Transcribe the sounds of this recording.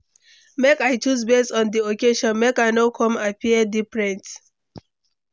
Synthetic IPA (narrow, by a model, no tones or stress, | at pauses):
mekaɪt͡ʃus̬bessɔ̃ndiokeʃɔ̃nmekaɪnokʰɔ̃mapiɛdifɹɛ̃nt